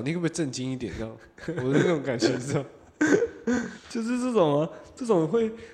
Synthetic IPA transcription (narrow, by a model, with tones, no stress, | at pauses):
ni˨kpʈ͡ʂə˥˩nt͡ɕi˥ŋi˥˩t̪jɛ̰˨˦n˥ɑ˥˩˦ | wɔ˨˩də˦n˥˩ʊ˧˥ŋka˨˩nt͡ɕʰɛ˧˥˩ɑ˥˩ | t͡ɕjo˥˧ʊʂ̬ɻ̩˥˧t͡sɤ˥˩ʈ͡ʂʊ˨˩ŋɐ˦ʈ͡ʂɤ˥˩ʈ͡ʂʊ˨˩ŋxwe˥˩ɪ